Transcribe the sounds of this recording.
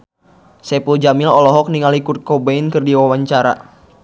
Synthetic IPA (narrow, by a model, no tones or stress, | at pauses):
sɛpuld͡ʒamilɔlɔɦɔk̚niŋalikur̚kɔbainkɨrdiwawaɲt͡ʃaɾa̰